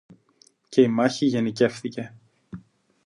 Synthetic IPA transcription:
ce̞imɐçiʝe̞nice̞fθice̞

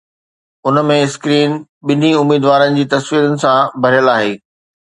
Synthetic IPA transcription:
ʊnəmẽskɾiːn | ɓɪn̤iʊmiːd̪ʋaːɾənɪ̆d͡ʑiːt̪ɐsʋiːɾənɪ̆sãbʱɐɾjəlaːɦeː

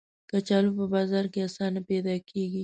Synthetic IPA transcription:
kat͡ʃɑlupəbɑzɑɾkeasɑnapɛd̪ɑkʰeɡi

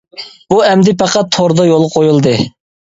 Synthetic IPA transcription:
b̥uɛmd̪ɪpæqɑt̪ʰːoɾd̪ɑjolˠʁɑqʰojulˠd̪ɨ

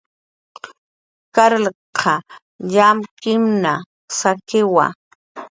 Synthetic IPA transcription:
kaɾlqʰɑ | ʎamkɪmna | sakɪwa̰

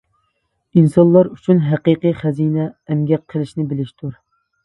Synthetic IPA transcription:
insɑnlˠɑɾyt͡ʃʰynɦæqiqɨjχɛzinɛːmɡʲɛqʰːəlˠɪʃnɪbɪlɪʃt̪ʰuɾ

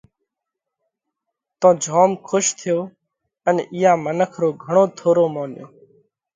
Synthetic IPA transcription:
t̪õːd͡ʒʱoːmkʰʊʃt̪ʰɪjoː | ənʔɪjãːmənəkʰɾoːɡʱəɳ̃oːt̪ʰoːɾoːmoːnjo̰ː

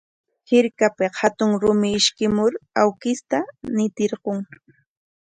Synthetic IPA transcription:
hɪɾkapɪhat̪ʊŋɾʊmɪːʃkɪmʊɾawkɪst̪anɪt̪ɪɾɢoŋ

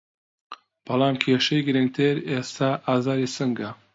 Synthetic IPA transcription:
b̥ɐlˠɑːmkʰeːʃɐjɡɨɾɨŋɡt̪ʰeɾest̪ʰaːʔaːzaːɾisɨŋɡɐ

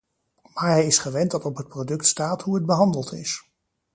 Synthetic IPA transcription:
maːɹɦɛjɪsχəʋɛntdɑtɔpɦət̚prodɵktstaːtɦuɦəd̚bəɦɑndəlˠtɪ̰s

